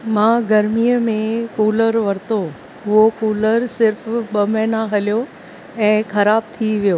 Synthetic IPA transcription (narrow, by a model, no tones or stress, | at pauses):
mãːɡɐɾmijəmẽkuːləɾʋɐɾt̪o | ɦʊɦokuːləɾsɪɾfɓɐmɛ̃ːnaɦɐljo | ɛ̃ːxɐɾaːb̚t̪ʰiʋijoː